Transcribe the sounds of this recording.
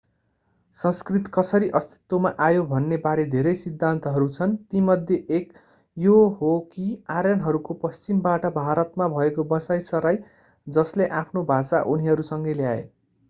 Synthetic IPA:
sʌ̃skrit̪kʌsʌɾiʔʌst̪i̥t̪womaʔajobʱʌnːebaɾed̪ʱeɾʌjsid̪ʱːant̪ʌɦʌɾut͡sʰʌnt̪imʌd̪ʱjeʔek | joɦokiaɾjanɦʌɾukopʌst͡simbaʈʌbʱaɾʌt̪̚mabʱʌekobʌsajsʌɾaj | d͡zʌsleʔapʰnobʱasaʔuniɦʌɾusʌŋɡʌjljaḛ

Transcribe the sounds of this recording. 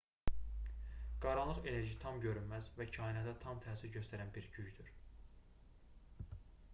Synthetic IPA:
ɡ̥ɑɾɑlˠɯχe̞ne̞ɾʒit̪ʰɑmɟø̞ɾynmæzvæcʰɑːinɑt̪æt̪ʰɑmt̪ʰæːsiɾɟøst̪ʰæɾænbiɾɟyɟd̪yɾ

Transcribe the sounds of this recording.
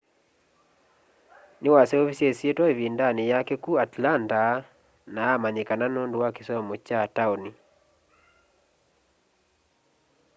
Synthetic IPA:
nɪwasɛɔfisiesietwaivindanijakɛkuatlanta | naamaɲekananɔnduwakisɔmɔt͡ʃataoni

